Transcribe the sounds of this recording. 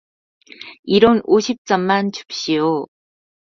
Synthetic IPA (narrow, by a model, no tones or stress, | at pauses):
iɾonoɕʰip̚t͡ɕ͈ʌmmant͡ɕu̥p̚ɕ͈ijo